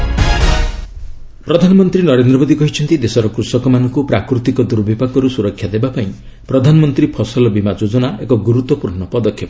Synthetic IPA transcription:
pɾɔd̪ʱanɔmɔnt̪ɾinɔɾend̪ɾɔmod̪ikɔɦit͡ʃʰɔnt̪id̪esɔɾɔkɾusɔkɔmanɔŋkupɾakɾut̪ikɔd̪uɾbʱibakɔɾusuɾɔkʰːjad̪ebapaĩ | pɾɔd̪ʱanɔmɔnt̪ɾipʰɔsɔlɔbimad͡ʒod͡ʒɔnaekɔɡuɾut̪wɔpuɾɳɔpɔd̪ɔkʰjɔp

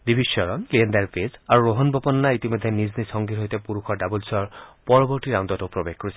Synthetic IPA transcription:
d̪ibiʃjɔɹɔnkeendaɹpezaɹuɹoɦɔnbɔpɔnːait̪imɔd̪ʱːeniznisɔŋɡiɦojt̪ɛpuɹukʰɔɹdabulsɔɹpɔɹɔbɔɹtiɾawndɔtopɹobexkoɹisɛ

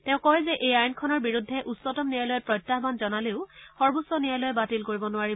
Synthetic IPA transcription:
tɛ̃ʊ̃kɔjzɛʔejajnkʰɔnɔɹbiɹudʱːɛʔusɔtɔmnijalɔjɛpɹɔjtːaɦbanzɔnaleʊxɔɹbusɔnijalɔjɛbatilkoɹibɔnʊwaɹi

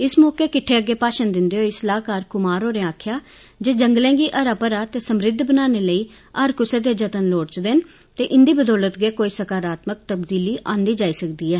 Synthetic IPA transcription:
ɪsmɔːkeːkɪʈʰːeːəɡːeːpaːʃənd̪ɪnd̪eːɦoːɪsəlaːkaːɾkʊmaːɾɦoːɾẽaːkʰjaː | d͡ʒeːd͡ʒəŋɡlɛ̃ːɡiːʔəɾapəɾaːt̪eːsəmɾɪd̪ʱbənaːneːləiː | əɾkʊseːd̪eːd͡ʒət̪ənloːɽt͡ʃd̪ɪn | t̪eːʔɪnd̪iːbəd̪ɔːlət̪ɡeːkoːiːsəkaːɾaːt̪mək̚t̪əbd̪iːliːʔãːnd̪iːd͡ʒaːiːsəkd̪iːɛː

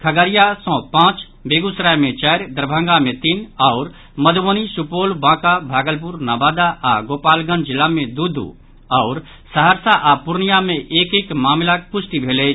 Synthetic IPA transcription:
kʰəɡəɾijasɔ̃ːpãːt͡ʃ | beːɡusɾajmẽt͡ʃaːɾd̪əɾbʱə̃ŋɡamẽt̪inɔʊɾ | məd̪ʱʋonisupoːlbãːkabʱaːɡəlp̬uɾnaːbaːd̪aːɡoːpaːlɡə̃nd͡ʒɪlamẽd̪ud̪ʱṵ | ɔːɾ | səɦəɾsaʔapʊɾnijamẽʔeːkekmaːmlak̚pʊsʈ̪ibʱeːle

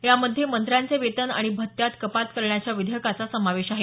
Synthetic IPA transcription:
jaməd̪ʱːjemənt̪ɾjant͡seʋet̪əna̰ɽ̃ibʱət̪ːjat̪kəpat̪kəɾɳjat͡ɕjaʋid̪ʱjəkat͡sasəmaʋeɕaɦe

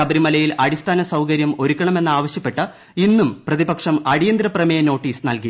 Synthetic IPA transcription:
ɐbɐɾimɐlɐjilɐɽist̪ʰaːnɐsɐwkɐɾjɐmo̞ɾukʲːɐɳɐme̞nːaːʋɐɕjɐpːe̞ʈːɨ | inːumprɐðibɐkʂɐmɐɽijɐnd̪ɾɐprɐmejɐno̞ːʈːiːsnɐlki

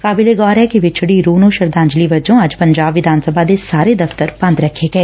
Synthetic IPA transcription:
kaːbɪleɡɔːɾɦɛkiʋɪt͡ʃʰɽiɾuːnõʃɐɾd̪ãːɲd͡ʒliʋɐd͡ʒõɐd͡ʒpɐ̃ɲd͡ʒaːbʋɪd̪ʱaːnsəbʱad̪esaːɾed̪ɐft̪əɾpɐ̃nd̪ɾɐkʰeɡɐeː

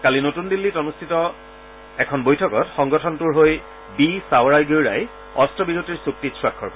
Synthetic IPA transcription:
kalinotundilːitɔnustʰitɔ | ɛkʰɔnbojtʰɔkɔtxɔŋɡɔtʰɔntuɹɦoj | bisawɹajɡuwɹa̰j | ɔstɔbiɹotiɹsuk̚titswakʰːɔɹpɔ

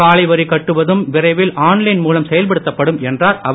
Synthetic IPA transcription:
aːlɐɪʋɐɾikːɐʈːɯʋɐðɯmʋɪɾɐɪʋɪlʔaːnlɐɪnmuːlɐmsɛjɐlp̬ɐɽɯt̪ːɐpːɐɽɯmɛndraːɾɐʋ

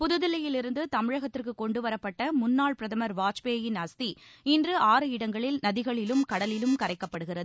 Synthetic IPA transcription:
pʊðɯðɪlɐjɪlɪɾɯnd̪ɯt̪ɐmɪɻɐɣɐt̪ːɪrkɯkːɔɳɖɯʋɐɾɐpːɐʈːɐmʊnːaːɭpɪɾɐðɐmɐɾʋaːt͡ʃpeːjɪnɐst̪iɪndrɯaːɾɯɪɽɐŋɡɐɭɪlnɐðɪɣɐɭɪlɯmkɐɽɐlɪlɯmkɐɾɐɪkːɐpːɐɽɯɣɪrɐðɯ

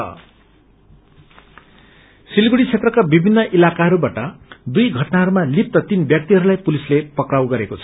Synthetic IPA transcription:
ʌ̰ | silɡuɽit͡sʰet̪rʌkabibʱinːʌʔilakaɦʌɾubaʈʌd̪ujɡʱʌʈnaɦʌɾumalip̚t̪ʌt̪inbjʌk̚t̪iɦʌɾulajpulislepʌkrawɡʌɾekot͡sʰʌ

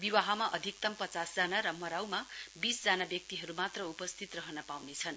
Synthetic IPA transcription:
biwaɦamaʔʌd̪ʱik̚t̪ʌmpʌt͡sasd͡zanaɾʌmʌɾawmabisd͡zanabjʌk̚t̪iɦʌɾumat̪rʌupʌst̪ʰit̪rʌɦʌnʌpawnet͡sʰʌn

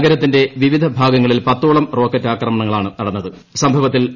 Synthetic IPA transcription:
ɡɐɾɐt̪ːinde̞ʋiʋid̪ʱɐbʱaːɡɐŋːɐɭilpɐt̪ːuːɭɐmro̞ːkːɐtːaːkrɐmɐɳɐŋːɐɭaːɳɨnɐɽɐnːɐðɨ | sɐmbʱɐʋɐt̪ːil

